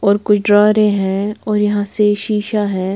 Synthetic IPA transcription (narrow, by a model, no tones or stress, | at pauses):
ɔːɾkʊt͡ʃʰɖɾɔːɾẽɦɛ̃ɔːɾjɐɦãseʃiːʃaɦɛ̃ː